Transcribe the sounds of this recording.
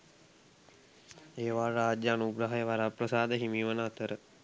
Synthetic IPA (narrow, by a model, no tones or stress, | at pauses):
eːʋaːraːd͡ʒjəanuɡɾəɦajəʋaɾaprəsaːd̪əɦimiːʋənəɦat̪əɾə